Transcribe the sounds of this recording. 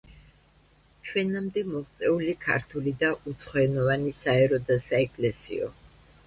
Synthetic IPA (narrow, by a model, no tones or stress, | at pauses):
t͡ʃʰwɛnamd̪ɛmɔχt̪sʼɛulikʰa̰ɾt̪ʰulid̪aʔut̪sʰχɔɛnɔvanisaɛɾɔd̪asaɛkʼlɛsḭɔ̰